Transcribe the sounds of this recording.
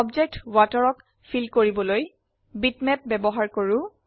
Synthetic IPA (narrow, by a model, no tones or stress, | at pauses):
ɔbd͡ʒek̚twatɔɹɔk | pʰilkoɹibɔloj | bitmɛp̚bɛbɔɦaɹkoɹʊ